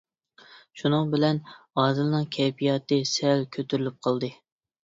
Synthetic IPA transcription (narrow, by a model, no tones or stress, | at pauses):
ʃunɨŋbɪlɛnɑːd̪ɨlnɨŋkʲʰɛjpʰijɑːt̪ɨsɛlkʲʰøt̪ʰyɾylyp̚qʰɑlˠd̪ɨ